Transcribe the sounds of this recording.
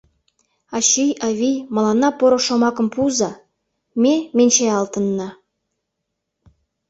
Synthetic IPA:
ɑɕijɑvʲijmɑ̆lˠɑnɑpoɾɤ̆ʃŏmɑkɤ̆mpuzɑ | mʲemʲenʲt͡ɕeɑlˠt̪ɤ̆nːɤ̆

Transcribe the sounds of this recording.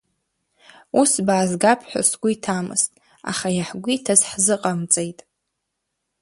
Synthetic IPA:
usbaːzɡapʰħʷᶣa̰sɡʷʊitʰamɨ̰stʼ | a̰χajaħɡʷitʰazħzɨqʼamt͡sʼejtʼ

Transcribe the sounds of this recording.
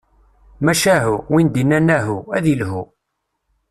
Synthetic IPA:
mæʃæɦuwind̪inːænæɦuæðilhu

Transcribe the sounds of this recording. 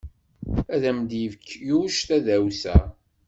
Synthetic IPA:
æðæmd̪jivəkʰːjuʃt̪æðæwsæ

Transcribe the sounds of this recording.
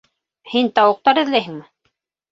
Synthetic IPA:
hint̪ɑwɤ̆q̚t̪ɑɾɘ̆ðlæjɦɘ̆ŋmɘ

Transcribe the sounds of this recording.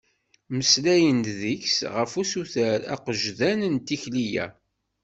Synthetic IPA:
məslæjənt̪ðiçsʁəfusuθəɾæ̰qəʒðænnt̪içlijæ̰

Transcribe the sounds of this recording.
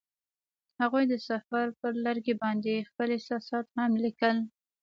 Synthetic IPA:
haɣujd̪əsafaɾpəɾlaɾɡebɑnd̪expəlesɑsɑt̪hamlikəl

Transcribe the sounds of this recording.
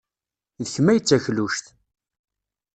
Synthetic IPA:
ðəçmæjət͡sːæçluʃθ

